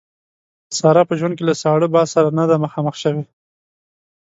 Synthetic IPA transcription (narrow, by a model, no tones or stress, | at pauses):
əsɑɾɑpəʒwand̪kelasɑɽəbɑsaɾanad̪aməxɑməxʃəwe